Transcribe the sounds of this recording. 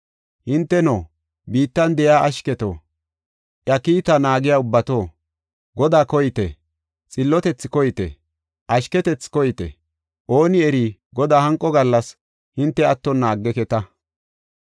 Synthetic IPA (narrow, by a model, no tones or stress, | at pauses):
hɪnt̪ːɛnoː | biːt̪ːɐnd̪ɛjaːʔɐʃkɛt̪o̰ː | ʔjɐkiːt̪ɐnaːɡɪjaːʊbːɐt̪oː | ɡɔd̪aːkɔjɪt̪ɛ̰ | t͡sʼɪlːɔt̪ɛt͡sːɪkɔjt̪ɛ̰ | ʔɐʃkɛt̪ɛt͡sːkɔjɪt̪ɛ̰ | ʔo̞ːnɪɛɾiː | ɡɔd̪aːhɐŋkʼːɔɡɐlːɐs | hɪnt̪ːɛɐt̪ːɔnːaːɡːɛkɛt̪ɐ